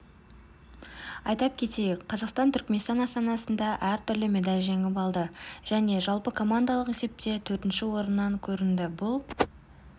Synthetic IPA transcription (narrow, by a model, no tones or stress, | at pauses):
ɑjt̪ɑp̚kʲʰe̞t̪e̞jɪkqʰːɑzɑqst̪ɑnt̪ʰʏɾkmʲe̞nst̪ɑnɑst̪ɑnɑsənd̪ɑʔæɾt̪ʰʏɾlɪme̞d̪ɑlʲʒe̞ŋʲɪpɑlˠd̪əʒ̥æne̞ʒɑlˠpəkʰo̞mand̪ɑlˠəqe̞se̞p̚t̪e̞t̪ʰɵɾt̪ɪnʃɪwo̞ɾənːɑŋkʲʰɵɾɪnd̪ɪbʊlˠ